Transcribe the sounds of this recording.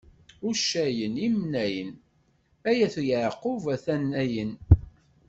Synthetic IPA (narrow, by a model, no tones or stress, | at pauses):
ʊʃæjənimnæjən | æjæθjəʕqːʊvæθænːæjən